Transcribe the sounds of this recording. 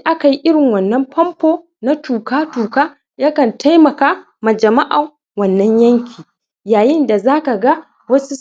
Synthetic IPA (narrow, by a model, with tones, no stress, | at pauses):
ʔa˦ka˨ji˦ʔɪ˦ɽɪ˨ŋwɐ˨nːɐ˦mpɐ˦mpoː˦ | na˦tuː˨kaː˦tuː˨kaː˦ | jaː˦kɐ˨nta˦jmɐ˨kaː˦ | ma˨d͡ʒɐ˨ma˦ʔa˨ | wɐ˨nːɐ˦ɲjɐ˦ŋkʲʰiː˨ | jaː˨jɪ˦nda˨zaː˦ka˨ɡa˦ | wɐ˦su˦